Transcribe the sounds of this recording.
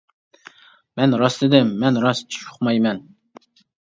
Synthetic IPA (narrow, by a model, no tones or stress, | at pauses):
mɛnɾɑst̪ɪd̪ɪmːɛnɾɑst͡ʃʰʃʰu̥χmɑjmɛn